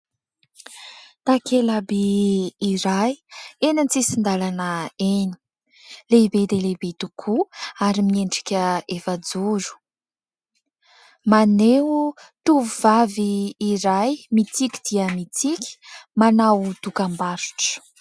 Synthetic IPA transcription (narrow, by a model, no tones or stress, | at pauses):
t̪akʰelabiː | ɾajenant͡sisind̪alanəeni̥ | lebed̪elebet̪ukʰuaɾimieɳɖ͡ʐi̥kʲəefad͡zuɾu̥ | maneu | t̪uvuvaviːɾajmit̪ikʲi̥d̪̥iəmit͡sikʲi̥manawt̪ukambaɾu̥ʈ͡ʂə̥